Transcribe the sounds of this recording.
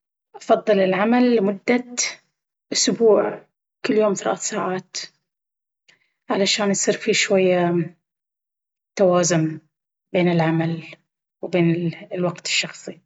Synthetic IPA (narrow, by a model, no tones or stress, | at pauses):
ʔɑfɑðˤːɨlɪlʕamalːmʊd̪ːat̪ | ʔʊsbuːʕ | kɪlːjoːmθalʔa̰ːθsaːʕaːt̪ | ʕalaʃaːnjsˤiːɾfiʃwajːa | t̪ːawaːzʊm | beːnɪlʕamal | wbeːnlwɑqt̪ɪ̥ʃːɑxsˤi